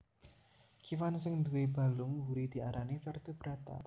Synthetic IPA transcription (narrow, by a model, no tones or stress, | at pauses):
kʰifansɪŋd̪uweba̤lʊŋɦuɾid̪̥i̤aɾʔanifɛrt̪əb̥ɾat̪a̰